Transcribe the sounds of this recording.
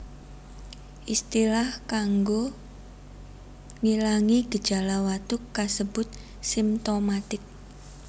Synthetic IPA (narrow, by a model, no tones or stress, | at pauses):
ʔist̪ilahkaŋɡo | ŋilaŋiɡ̥ə̤̥ʒ̥a̤lawat̪ʊkːasəb̥ʊt̪̚ | simt̪omat̪ɪk̚